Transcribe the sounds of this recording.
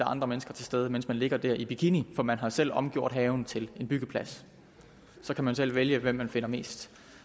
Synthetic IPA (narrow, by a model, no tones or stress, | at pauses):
ɑɑ̈nd̥ʁɐmenəsɡ̥ɐt͡sʰe̝lsd̥eːð̞ˠəmen̰smænle̝ɡ̥ɐd̥æɐ̰ʔibʰikʰinifɒ̽mænɦɑ̈sel̰ɒ̽mɡ̥jo̝ɐ̰d̥ɦɛːʊn̩t͡sʰe̝le̝nb̥yɡ̥əpʰlæs | sɒ̽kʰæmænsel̰ʋeljəʋem̰ːænfe̝n̰ɐme̝̰ːsd̥